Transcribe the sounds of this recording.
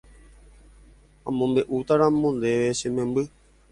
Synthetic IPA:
ãmõmbeʔut̪aɾãmõnd̪eʋeʃẽmẽmbɨ

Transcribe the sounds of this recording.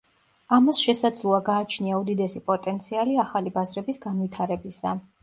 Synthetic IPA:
amasʃɛsad̪zlˠɔaɡaːt͡ʃʰniaud̪id̪ɛsipʼɔt̪ʼɛnt̪sʰialiaχalibazɾɛbisɡanvit̪ʰaɾɛbisa

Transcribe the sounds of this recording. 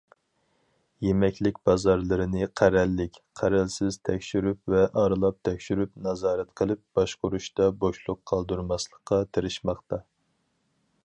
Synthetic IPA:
jemɛkʲlɪk̚ʲbɑzɑɾlˠɨɾɨnɨqʰæɾɛlːɪkʲqʰæɾælsɪz̥t̪ʰɛkʲʃyɾypvɛʔɑɾɨlˠɑp̚t̪ʰɛkʲʃyɾypnɑzɑːɾɛt̪qʰəlˠɨp̚b̥ɑʃqʊɾuʃt̪ɑboʃlˠʊqʰːɑlˠd̪uɾmɑslˠəqːɑt̪ʰeɾɪʃmɑχt̪ɑ

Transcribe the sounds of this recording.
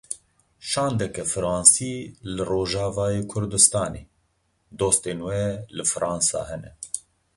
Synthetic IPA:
ʃɑːnd̪ɛkɛfɨɾɑːnsiːlɨroːʒɑːvɑːjeːkʰʊɾd̪ɨst̪ɑːnḛː | d̪oːst̪eːnwɛlɨfɨɾʔɑːnsɑ̰ːhɛnɛ

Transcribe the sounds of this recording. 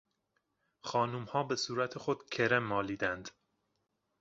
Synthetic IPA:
xɒːnumhɒːbesuːɾæt̪ʰexod̪cʰeɾemːɒːliːd̪ænd̪̥

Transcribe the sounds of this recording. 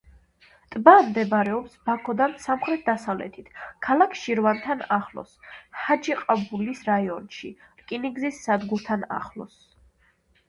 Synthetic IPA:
t̪ʼbamd̪ɛbɾɛɔpsbakʰɔd̪ansamχɾɛt̪̚ʰd̪asavlɛ̰t̪ʰit̪ʰkʰalakʰʃiɾvant̪ʰanaχlˠɔ̰shad͡ʒiqʼabulisɾaiɔnʃi | kʼiniɡzisːad̪ɡuɾt̪ʰana̰χlˠɔ̰s

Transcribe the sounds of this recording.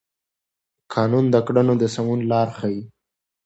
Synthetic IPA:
kʰɑnund̪əkɽanod̪əsamunlɑːɾxaji

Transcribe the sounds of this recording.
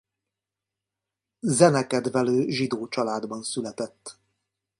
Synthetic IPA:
zɛnɛkɛd̪vɛløːʒid̪oːt͡ʃɒlaːd̪bɒnsylɛt̪ɛt̪ː

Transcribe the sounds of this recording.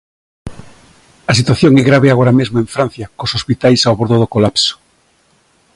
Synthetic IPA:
ɐsit̪waθjoŋɛɣɾaβ̞eaɣ̞oɾamezmoẽɱfɾan̟θjɐkosospit̪ajsawβoɾðoðokolapso̥

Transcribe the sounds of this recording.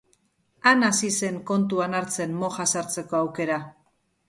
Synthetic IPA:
anasise̞ŋko̞nt̪uanaɾt͡se̞nmo̞ʝasaɾt͡se̞ko̞awke̞ɾa

